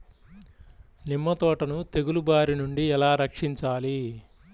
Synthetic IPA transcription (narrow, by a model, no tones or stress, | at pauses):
nimːɐt̪ɔːʈɐnut̪e̞ɡulubaːɾinuɳɖiɛlaːɾɐkʂiɲt͡ʃaːli